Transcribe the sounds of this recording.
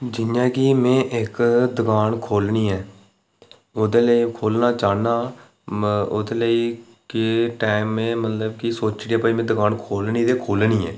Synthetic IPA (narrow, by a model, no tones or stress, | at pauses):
d͡ʒɪjãːkimẽːʔɪkd̪əɡaːnkʰoːlniːɛː | od̪eːləiːkʰoːlnaːt͡ʃaːnaː | od̪eːləiː | kɪʈaːɪmːẽːmət̪ləbkɪsoːt͡ʃɽiːaːpaimẽːd̪əɡaːnkʰoːlniːt̪eːkʰoːlniːɛ̰ː